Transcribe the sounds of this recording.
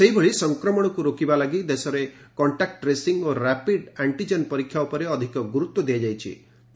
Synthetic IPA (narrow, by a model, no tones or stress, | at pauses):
seɦibeɭisɔŋkɾɔmɔɽ̃ɔkuɾokibalaɡid̪esɔɾekɔɳʈak̚ʈɾesiŋɡoɾapiɖaɳʈid͡ʒenpɔɾikʰːjaupɔɾeɔd̪ʱikɔɡuɾut̪wɔd̪iad͡ʒajt͡ʃʰḭ